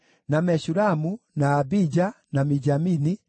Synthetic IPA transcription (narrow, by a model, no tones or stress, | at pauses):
namɛɕuɾamunaːbid͡ʒa | namid͡ʒamini